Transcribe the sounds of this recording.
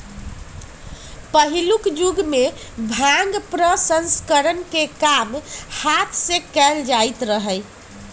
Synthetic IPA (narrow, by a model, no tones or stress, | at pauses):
pəɦilukd͡ʒuɡme | bʱãŋɡpɾəsə̃nskəɾənkekamhat̪ʰsẽkɛld͡ʒajt̪ɾəɦəj